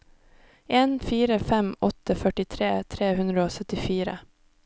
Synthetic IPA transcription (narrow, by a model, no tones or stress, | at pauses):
ʔeːnfiːɾəfɛmɔt̪əfœʈɪt̪ʰɾeːt̪ʰɾeːhʉnd̪ɾəoːsœt̪ɪfiːɾə̰